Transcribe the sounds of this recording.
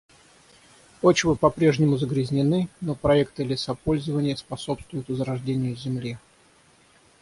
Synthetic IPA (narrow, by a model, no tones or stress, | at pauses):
ot͡ɕɪvɨpɐpɾʲe̞ʐnʲɪmʊzəɡɾʲɪzʲnʲɪnɨno̞pɾɐɛk̚t̪ɨlʲɪt̪sapo̞lʲzəvənʲɪjəspɐso̞pst̪vʊjʊt̪vəzɾɐʐdʲenʲɪjʊzʲɪmlʲe